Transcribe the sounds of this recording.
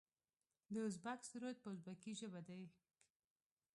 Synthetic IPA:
d̪əʊzbaksɾojt̪̚pəʊzbakiʒəbad̪aj

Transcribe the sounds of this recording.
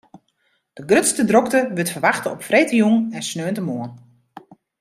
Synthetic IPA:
d̥əɡrøtstədrɔktəʋøtfərʋaxtəɔpfreːtəjuŋɛnsnøːntəmoən

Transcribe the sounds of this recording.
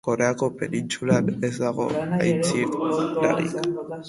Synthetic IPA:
ko̞ɾe̞ako̞pe̞nint͡sulanezd̪aɣo̞̰a̰jt͡sila̰ɾḭk

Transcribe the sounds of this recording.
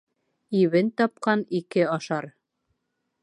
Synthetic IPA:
iβɘnt̪ɒp̚qɑnikɘɑʃɑɾ

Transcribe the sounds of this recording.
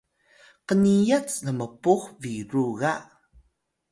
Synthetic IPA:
qənijat͡sləməpuxviɾuɣa

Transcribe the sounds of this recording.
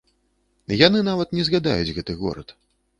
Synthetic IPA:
janɨnavɐt̪nʲɛzɣad̪a̰jud͡zʲɣɛt̪ɨɣɔ̰ɾɐ̰t̪

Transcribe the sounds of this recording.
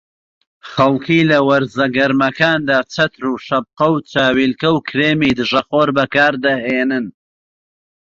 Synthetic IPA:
χɐlkʰiːlɐwɐɾzɐɡɐɾmɐkaːnd̪aːt͡sʰɐt̪ɾuːʃɐb̚qɐwt͡sʰaːwiːlkɐwkʰɾeːmiːd̪ɨʒɐχoːɾbɐkaːɾd̪ɐheːnɨn

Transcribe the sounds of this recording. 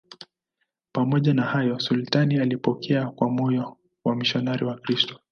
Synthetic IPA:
pamɔʄanahajɔsultanialipɔkʰɛakwamɔjɔ | wamiʃɔnaɾiwakɾistɔ̥

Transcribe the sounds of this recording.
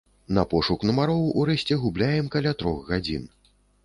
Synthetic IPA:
nɐpɔʂuknɐmaɾɔwʔuɾɛsʲt͡sʲɛɣublʲajɛmkalʲat̪ɾɔxɣad͡zʲḭn

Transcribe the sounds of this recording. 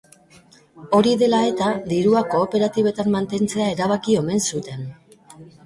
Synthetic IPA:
o̞ɾiðe̞lae̞t̪aðiɾuako̞ːpe̞ɾat̪iβ̞e̞t̪amːant̪e̞nt͡se̞ae̞ɾaβ̞akio̞me̞nsut̪e̞n

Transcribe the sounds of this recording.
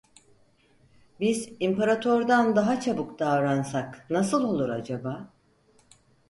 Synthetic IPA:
bizimpaɾat̪ʰoɾd̪and̪aɦat͡ʃʰabɯkd̪avɾansaknasɯlˠo̞lˠuɾad͡ʒabaː

